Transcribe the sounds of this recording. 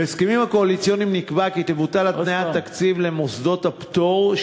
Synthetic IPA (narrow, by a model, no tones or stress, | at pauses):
eskemimhako̞alit͡sjo̞nimnikbaket̪evut̪alat̪najattakt͡sivle̞mosd̪o̞t̪hapt̪o̞ʁ